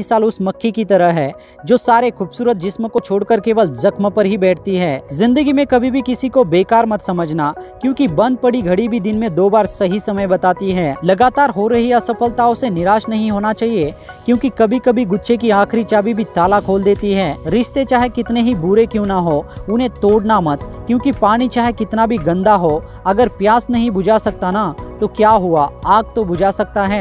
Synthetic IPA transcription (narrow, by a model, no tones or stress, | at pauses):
ɪsaːlʊsmɐkʰːikit̪ɐɾəɦɦɛː | d͡ʒoːsaːɾekuːbsuːɾət̪̚d͡ʒɪsmkot͡ʃʰoːɽkəɾkeːʋəlzɐkmpɐɾɦibɛːʈʰt̪iɦɛːzɪ̃nd̪əɡimẽkɐbʱibʱikɪsikobeːkaːɾmɐt̪sɐməd͡ʒʱnakjõːkibɐ̃nd̪̚pɐɽiɡʱɐɽibʱid̪ɪnmẽd̪oːbaːɾsɐɦisɐməjbɐt̪aːt̪iɦɛːlɐɡaːt̪aːɾɦoːɾɐɦiasɐfəlt̪aʊsenɪɾaːʃnɐɦĩɦoːnat͡ʃaːɦiekjõːkikɐbʱikɐbʱiɡʊtːʃekiaːkʰɾit͡ʃaːbibʱit̪aːlakʰoːld̪eːt̪iɦɛːɾɪʃt̪et͡ʃaːɦekɪt̪neɦibuɾekjõːnaɦoːʊnẽt̪oːɽnamɐt̪kjõːkipaːɽ̃it͡ʃaːɦekɪt̪nabʱiɡɐ̃nd̪aɦo | ɐɡəɾpjaːsnɐɦĩbʊd͡ʒʱasɐk̚t̪anat̪okjaːɦuaaːɡ̚t̪obʊd͡ʒasɐk̚t̪aɦɛː